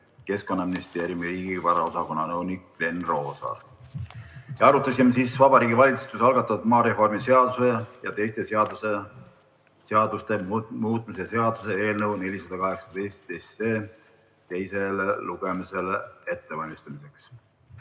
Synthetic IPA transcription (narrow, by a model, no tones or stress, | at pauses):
ke̞sko̞nːɑminist̪e̞ːɾjiumiɾiːɡivɑɾɑo̞sɑko̞nːɑnɤwnikle̞nro̞ːsɑ̰ | jɑɑɾut̪ːˑɑsimesiːsvɑbɑɾiːɡivɑlʲit̪su̥t̪usɑlɡ̥ɑt̪ːˑɑd̪mɑːɾe̞fo̞rmise̞ɑd̪̥usejɑt̪e̞jst̪e̞se̞ɑd̪use | seɑd̪ust̪e̞mmuːt̪ˑmisese̞ɑd̪̥use̞e̞ːlnəwne̞lʲisɑd̪̥ɑkɑɦe̞ksɑ̥d̪ejst̪ese̞ː | t̪e̞jse̞leluɡ̥emise̞le̞t̪ːevɑlʲmist̪ɑmise̞ks